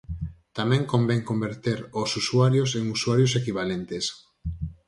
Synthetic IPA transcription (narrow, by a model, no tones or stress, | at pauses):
t̪amɛ̃ŋkombɛŋkombeɾt̪eɾosusuaɾjoseŋusuaɾjos̬ekiβalent̪es